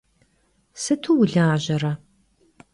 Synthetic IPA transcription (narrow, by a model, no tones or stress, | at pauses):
sɨtʰuwʊɮaːʑɐrɐ